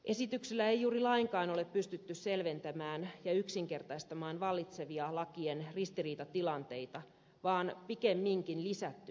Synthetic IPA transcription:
ʔe̞sit̪ykselːæejjuːrilɑiŋkɑːno̞le̞ppyst̪yt̪ːysse̞lʋe̞nt̪æmæːnjɑyksiŋke̞rt̪ɑist̪ɑmɑːnʋɑlːit̪se̞ʋiɑlɑkienrist̪iriːt̪ɑt̪ilɑnt̪e̞jt̪ɑ | ʋɑːnpikemːiŋkinlisæt̪ːy

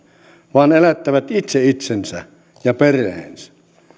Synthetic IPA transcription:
ʋɑːnelæt̪ːæʋæt̪it̪seit̪sensæ̰ | jɑperˑḛːnsæ̥

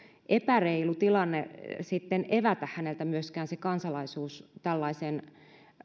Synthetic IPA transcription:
ʔepæreilut̪ilɑnːesit̪ːeneʋæt̪æhhænelt̪æmyøskæːnsekɑnsɑlɑisuːst̪ælːɑisen

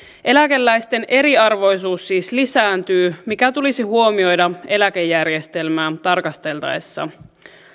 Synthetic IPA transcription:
ʔe̞læke̞lːæjst̪e̞nʔe̞ɾiɑrʋo̞jsuːsːiːslisæːnt̪yːmikæt̪ulisihuo̞mio̞jdɑe̞læk̟e̞jːærje̞st̪e̞lmæːt̪ɑrkɑst̪e̞lt̪ɑ̰esːɑ̰

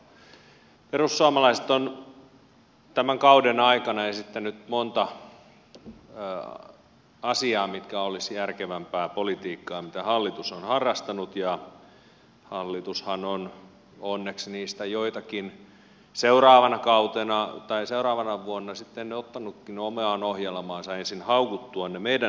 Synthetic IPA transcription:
perusːuɑmɑlɑiset̪on | t̪æmæŋkɑudenɑikɑnɑeisit̪ːenyt̪mont̪ɑ | ɑsiɑːmit̪kæolisjærkeʋæmpæːpolit̪iːkːɑːmit̪æhɑlːit̪usonhɑrːɑst̪ɑnut̪jɑ | hɑlːit̪ushɑnon | onːeksniːst̪æjoit̪ɑkin | seurɑːʋɑnɑkɑut̪enɑt̪ɑiseurɑːʋɑnɑʋuonːɑsit̪ːenneot̪ːɑnukːinomeɑːnohjelmɑːnsɑensinhɑukut̪ːuɑnnemeidæ

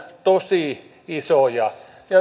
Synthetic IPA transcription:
t̪osiˑ | isojɑ | jɑ

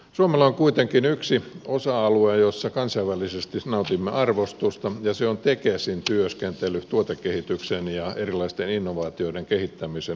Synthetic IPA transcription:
suomelːɑoŋkuit̪eŋkinyksiosɑɑluejosːɑkɑnsɑiʋælːisest̪inɑut̪imːeɑrʋost̪ust̪ɑjɑseont̪ekesint̪yøskent̪elːˑyt̪uot̪ekːehit̪yksenjɑerilɑist̪eninːoʋɑːt̪ioideŋkehit̪ːæmise

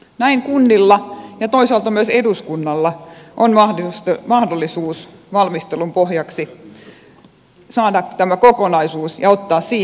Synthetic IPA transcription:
næiŋkunːilːɑjɑt̪oisɑlt̪ɑmyøseduskunːɑlːɑʔonmɑhsmɑhdolːˑisuːsʋɑlmist̪elumpohjɑksi | sɑːdɑt̪æmækokonɑisuːsjɑot̪ːɑːssiː

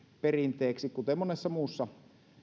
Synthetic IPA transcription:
perint̪ˑeːksikkut̪emmonesːɑmuːsːɑ

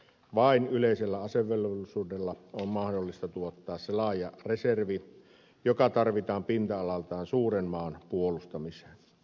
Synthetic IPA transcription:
ʋɑinyleˑiselːæɑseʋːˑelʋsuːdelːɑommɑhdolːist̪ɑt̪uot̪ːɑːsselɑːjɑreserʋi | jokɑt̪ɑrʋit̪ɑːmpint̪æɑlɑlt̪ɑːnsuːrenmɑːnpuolust̪ɑmise̥ːn

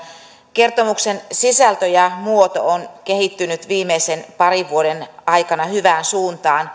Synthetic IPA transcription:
ke̞rt̪o̞muksensisælt̪øjɑmuot̪o̞̰onkehit̪ːynyt̪ʋiːmeise̞npɑɾiʋːuoɾe̞nɑjkɑnɑhyʋæːnsuːnt̪ɑːn

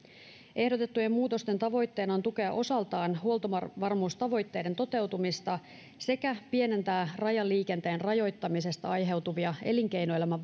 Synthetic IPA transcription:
ʔe̞hdot̪e̞t̪ːujemmuːt̪o̞st̪e̞nt̪ɑʋo̞jt̪ːe̞ːnɑont̪uke̞ɑ̰ʔo̞sɑlt̪ɑːnɦhuo̞lt̪oʋɑrmuːst̪ɑʋo̞jt̪ːe̞jde̞nt̪o̞t̪e̞wt̪umist̪ɑ | se̞kæpie̞ne̞nt̪æːrɑjɑlːiːk̟e̞nt̪e̞ːnrɑjo̞jt̪ːɑmise̞st̪ɑɑjɦe̞wt̪uʋiɑe̞̰liŋk̟e̞jnoe̞læmæ

